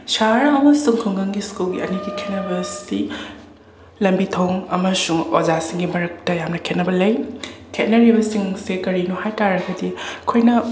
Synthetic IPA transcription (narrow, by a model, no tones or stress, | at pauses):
saɾɐɦɐwɐsuŋkʰuŋɡɐŋɡiskulɡiɐniɡikʰet̚nɐbɐsi | lɐmbitʰowŋɐmɐsuŋozasiŋɡimɐɾɐk̚tɐjamnɐkʰet̚nɐbɐlɐjkʰet̚nɐɾibɐsiŋsekɐɾinuhajtaɾɐɡɐdiɐkʰojnɐ